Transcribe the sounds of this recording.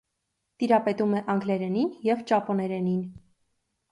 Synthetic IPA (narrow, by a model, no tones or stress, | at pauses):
t̪iɾɑpɛt̪umɛʔɑŋɡlɛɾɛninjɛvt͡ʃɑpɔnɛɾɛnin